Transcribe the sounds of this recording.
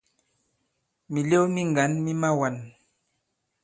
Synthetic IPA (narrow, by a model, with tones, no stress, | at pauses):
mi˨le˦wmi˦ŋɡa˨˦nmi˦ma˦wa˨n